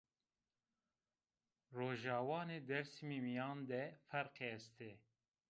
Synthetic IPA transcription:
roːʒɑːwɑːneːd̪ɛɾsimimijɑːnd̪ɛfɛɾqest̪ʰe

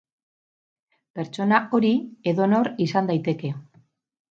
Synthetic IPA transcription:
pe̞ɾt͡ʃo̞nao̞ɾie̞ðo̞no̞ɾisand̪ajt̪e̞ke̞

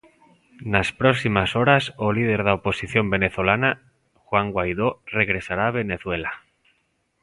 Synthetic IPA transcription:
naspɾoksimasoɾasolið̞e̞ɾðaopo̞siθjo̞mbe̞neθolana | xwaŋɡwajð̞ore̞ɣ̞ɾe̞saɾaːβ̞e̞ne̞θwe̞la

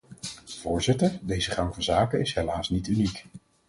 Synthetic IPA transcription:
v̥ʊːɹzɪtəɹdejzəχɑŋvəzaːkəɪsɦelaːsnitynik

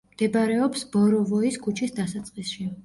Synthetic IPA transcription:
d̪̥ɛbaɾɛɔpsbɔɾɔvɔiskʰut͡ʃʰisd̪asat̪sʼqʼisʃi

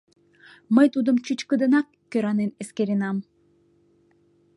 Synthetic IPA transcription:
məjt̪ud̪əmt͡ɕut͡ɕkəd̪ə̆nɑkːøɾɑneneskeɾenɑm

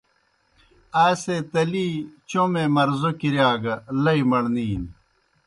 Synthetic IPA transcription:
aːset̪ɐliːt͡ɕomemɐɾzokiɾjaːɡɐlɐimɐɽniːn

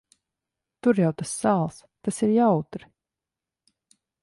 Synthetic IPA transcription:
t̪uɾjawt̪asːaːlˠs | t̪asiɾjawt̪ɾi

